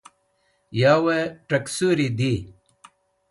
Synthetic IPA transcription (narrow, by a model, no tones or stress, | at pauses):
jaːweʈɐksuɾid̪i